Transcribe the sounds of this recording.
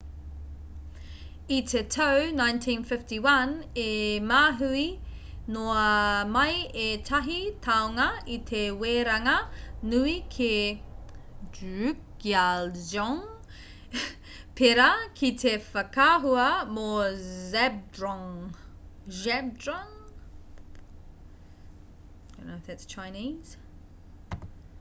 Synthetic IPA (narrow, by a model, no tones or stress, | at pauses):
it̪ʰetʰəwnãjntʰĩnfɪftiwɐnemaːɦui | noɐmɐjetʰɐɦitʰawŋɐit̪ʰeweːɾaŋɐnuikʰe | ʉk | alzɔŋ | pʰeɾɐkʰit̪ʰefɐkaɦuɐmozɛbdɹŋ | ʒɛbdɹɔŋ | õ̰noɪfðætst͡ʃʰaɪniːz̥